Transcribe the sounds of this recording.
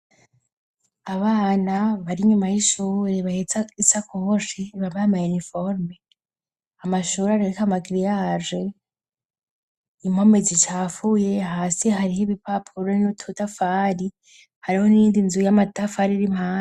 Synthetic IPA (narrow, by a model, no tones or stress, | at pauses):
aβaːnaβaɾiɲumajiʃuːɾeβahet͡saisakoɦoʃiβaβaamajunifoɾme | amaʃuːɾaɾeɾikamaɡiɾijaʒe | imomezit͡ʃaːfuje̞ɦaːsiɦaɾiheβipʰapʰuɾonitʰutafaɾi | haɾiho̞niːndinzujamatafaɾiɾim̥haːna